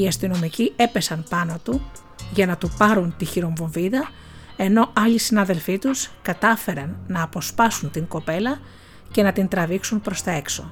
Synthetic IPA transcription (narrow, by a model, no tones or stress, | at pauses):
iɐst̪ino̞micie̞pe̞sɐnpɐnot̪u | ʝɐnɐt̪upɐɾunt̪içiɾo̞ɱvo̞ɱviðɐ | e̞no̞ɐʎisinɐðe̞lfit̪uskɐt̪ɐfe̞ɾɐnːɐːpo̞spɐsunt̪iŋɡo̞pe̞lɐ | ce̞nɐt̪int̪ɾɐviksunpɾo̞st̪ɐe̞kso̞